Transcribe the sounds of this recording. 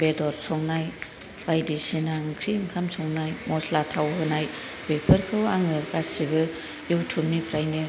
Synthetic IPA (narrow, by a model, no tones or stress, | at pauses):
bedɔɾsɔŋnaj | bajdisinaŋkʰɾiŋkʰamsɔŋnajmɔslatʰawɦɯnaj | b̥epʰɯɾkʰɯwaŋɯɡasibɯ | juwtʰumnipɾajnɯ